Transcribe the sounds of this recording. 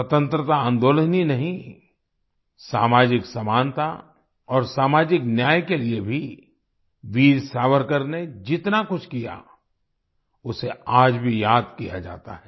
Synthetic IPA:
sɐt̪ə̃nt̪ɾət̪aãːnd̪oːləninɐɦĩ | saːmaːd͡ʒɪksɐmaːnt̪a | ɔːɾsaːmaːd͡ʒɪknjaːjkeliebʱi | ʋiːɾsaːʋəɾkəɾned͡ʒɪt̪nakʊt͡ʃʰkija̰ | ʊseaːd͡ʒbʱijaːd̪̚kija̰d͡ʒa̰ːt̪a̰ɦɛː

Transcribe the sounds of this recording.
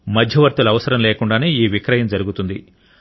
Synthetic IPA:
mɐd̪ʱjɐʋɐɾt̪ulɐʋɐsɐɾɐmleːkuɳɖaːneːiːʋikɾɐjɐmd͡ʒɐɾuɡut̪und̪i

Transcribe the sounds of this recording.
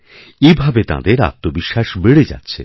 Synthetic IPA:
ebʱabet̪a̰d̪eɾa̰t̪̚ːobiʃːaʃbeɽed͡ʑa̰tːɕʰe

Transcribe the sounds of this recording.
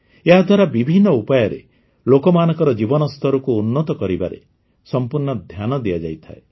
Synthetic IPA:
eɦad̪ʱwaɾabibʱinːɔupajɔɾḛ | lokɔmanɔ̃ŋkɔɾɔd͡ʒibɔnɔst̪ʰɔɾɔkuːnːɔt̪ɔkɔɾiba̰ɾḛ | sɔmpuɾɳɔd̪ʱjanɔd̪iad͡ʒa̰jt̪ʰae

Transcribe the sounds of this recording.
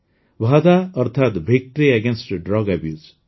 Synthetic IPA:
ʋʱaːd̪aɔɾt̪ʰat̪bʱik̚ʈɾiɛɡẽnsʈɖɾɔɡɛbjuːz

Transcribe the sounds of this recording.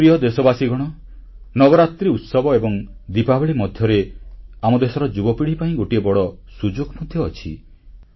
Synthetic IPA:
pɾijɔd̪esɔbasiɡɔɽ̃ɔ | nɔbɔɾat̪ɾiut̪sɔbɔebɔŋd̪ipabeɭimɔd̪ʱjɔɾeamɔd̪esɔɾɔd͡ʒubɔpiɽ̤ipaĩɡoʈiebɔɽɔ | sud͡ʒoɡɔmɔd̪ʱjɔːt͡ʃʰḭ

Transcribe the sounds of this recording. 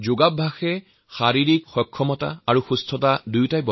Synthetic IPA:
zoɡabʱaxɛ | xaɹiɹikxɔkʰːɔmɔta̰aɹuxustʰɔtadujtajbɔ

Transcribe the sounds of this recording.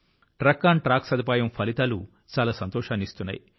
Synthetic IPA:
ʈɾɐkːaːɳʈɾaːksɐd̪ʱipaːjɐmpʰɐlit̪aːlu | t͡ʃaːlaːsɐnt̪ɔːʂaːnist̪unːa̰ji

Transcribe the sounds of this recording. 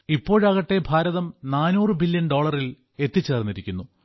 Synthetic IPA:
ipːo̞ːɻɐɣɐʈːe̞bʱaːɾɐðɐmnaːnuːrɨbilːjɐnɖo̞ːɭɐril | e̞t̪ːit͡ɕːe̞ːrnːiɾikʲːunːu

